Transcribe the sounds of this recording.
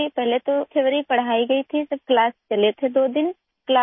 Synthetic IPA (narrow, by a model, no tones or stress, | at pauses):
ipɛɦlet̪õkʰeʋɾipəɽ̤aːiɡəit̪ʰisəb̚klaːst͡ʃɐlet̪ʰed̪oːd̪ɪn | klaː